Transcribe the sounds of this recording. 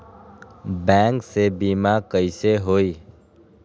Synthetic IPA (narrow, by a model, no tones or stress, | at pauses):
bɛ̃ːŋksebiːmakəɪseɦoːiː